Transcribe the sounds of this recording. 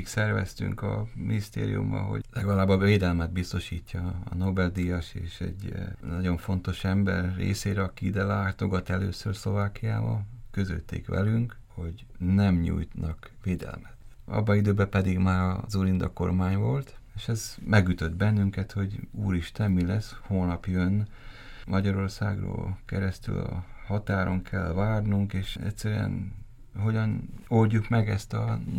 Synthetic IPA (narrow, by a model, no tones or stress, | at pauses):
ksɛrvɛ̰st̪y̰ŋkɒminist̪ḛːɾḭjṵmːɒ̰ɦo̞̰lɛɡɒlaːbɒʋeːd̪ɛlmɛd̪̚bist̪o̞ʃiːcːɒːno̞bɛld̪ijɒʃeːʃɛ̰ɟnɒɟo̞ɱfo̞nt̪o̞ʃɛmbɛrːḛːseːɾɛɒkid̪ɛlaːt̪o̞ɡɒt̪ɛlø̰ːsørslo̞vaːkija̰ːbɒkø̞zø̰lt̪ḛːkʋɛ̰lyŋk | ho̞ɟ | nɛmɲṵːjt̪nɒkʋeːd̪ɛ̰lmɛt̪ɒ̰bːɒid̪øːbɛpɛd̪iɡmaːɾɒzuːɾind̪ɒ̰kːo̞̰rmaːɲvo̞lt̪eːʃɛzmɛɡyt̪ø̞d̪bɛnːyŋkɛt̪ho̞ɟṵːɾiʃt̪ɛmːilɛshoːnɒpjønː | mɒɟɒɾo̞rsa̰ːɡro̰ːlkɛɾɛst̪y̰lɒ̰hɒt̪aːɾo̞ŋkʰɛlvaːrnuŋkeːʃɛtʲsɛɾyɛ̰n | ho̞ɟɒnolɟukmɛɡɛst̪ɒ